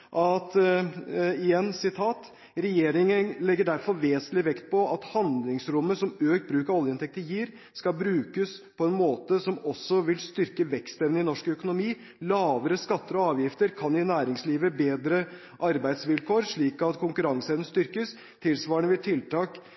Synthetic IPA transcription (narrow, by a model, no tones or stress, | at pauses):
ʔɑt̪ | ɪjɛnːsɪt̪ʰɑːt̪ | ɾɛjeːɾɪŋənlɛɡːəɖæɾfɔɾʋeːsənlɪʋɛkt̪̚pʰɔɑt̪hɑnd̪lɪŋsɾʊmːəsɔmøːkt̪̚bɾʉːkəɾɔljəɪnt̪ʰɛk̚t̪əjiːɾ | skɑbɾʉːkəspʰɔɛnmoːt̪əsɔmɔsːɔʋɪlst̪ʏɾkəʋɛkst̪ɛʋnəɪnɔʂkœkʊnʊmiː | lɑːʋəɾəskɑt̪ːəɾɔɑːʋjɪft̪əɾkʰɑnɪnæːɾɪŋsliːʋəbeːd̪ɾə | ʔɑɾbæɪd̪sʋɪlkʰoːɾʂɭiːkɑt̪kʰʊŋkʉɾɑŋsɛnəst̪ʏɾkəs | t̪ʰɪlsʋɑːəɳəʋɪlt̪ʰɪlt̪ʰɑːk